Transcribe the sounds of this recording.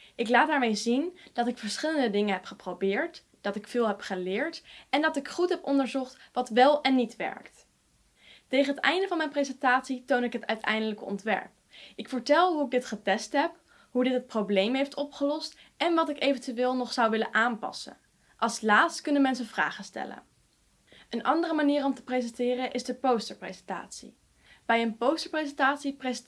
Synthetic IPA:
ʔɪklaːd̚daːɹmejzind̥ɑtɪkfəɹsχɪləndədɪŋənɦɛpχəprowbɪːɹt | d̥ɑtɪkfɪːlˠɦɛpχəlɪːɹtʔɛndɑtɪkχutɦɛpɔndəɹzɔχtʋɑtʋɛlˠɛnːitʋɛ̰ɹkt | tejχənɦətɛ̰jndəvɑnmɛjnprezɛntaːtsitownɪkɦətœ̰ɥtɛ̰jndələkəɔ̰ntʋɛ̰ɹp̚ɪkfəɹtɛlˠɦuɪɡ̚dɪtχətɛstɦɛp | ɦudɪtɦət̚prowblejmɦejftɔpχəlɔst | ɛnʋɑtɪkejvəntyʋɪːlˠnɔχsɑwʋɪlənʔaːnpɑ̰sə̰ | ʔɑlˠslaːtstkɵnənmɛnsəvra̰ːχəstɛ̰lə̰n | ʔənʔɑndərəmaniːrɔmtə̥prezɛntɪːrəʔɪzdəpowstəɹprezɛnta̰ːtsḭ | b̥ɛjənpowstəɹprezɛntaːtsipre

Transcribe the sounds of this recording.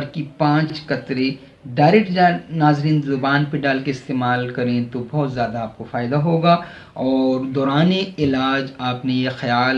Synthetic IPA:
ɾkipãːt͡ʃt͡ʃkɐt̪ɾe | ɖaːɾɛk̚ʈd͡ʒaːnaːzɾiːnzʊbaːnpeɖaːlkeɪst̪eːmaːlkɐɾẽt̪obɔːt̪zjaːd̪aːp̚kofaːjɪd̪aɦoːɡa | ɔːɾd̪ɔːɾaːneɪlaːd͡ʒaːpnejexɐjaːl

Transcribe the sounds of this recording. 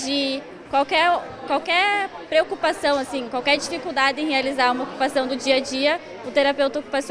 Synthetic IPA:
d͡ʒɪ | kwawkɛɾ | kwawkɛɾ | pɾeokupasɐ̃w̃asĩkwawkɛɾd͡ʒifikuwd̪ad̪ɪẽhealizaɾũmɐoku̥pasɐ̃w̃d̪ʊd͡ʒiɐd͡ʒiɐ | ʊt̪eɾapewt̪ɐoku̥pasi

